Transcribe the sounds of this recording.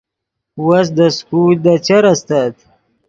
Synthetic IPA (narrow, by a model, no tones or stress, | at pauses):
was̬d̪əskuld̪at͡ʃaɾast̪at̪